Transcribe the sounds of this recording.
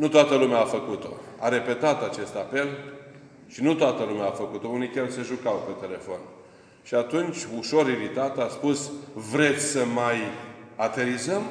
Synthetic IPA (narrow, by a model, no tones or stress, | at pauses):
nut̪oat̪əlumeaːfəkut̪o̞̰aɾe̞pe̞t̪at̪at͡ʃe̞st̪ape̞l | ʃinut̪oat̪əlumeaafəkut̪o̞unikʲerse̞ʒukawpe̞t̪e̞le̞fo̞n | ʃiat̪unt͡ʃʲuʃo̞ɾiɾit̪at̪easpusvɾe̞t̪sʲsəmajat̪e̞ɾizəm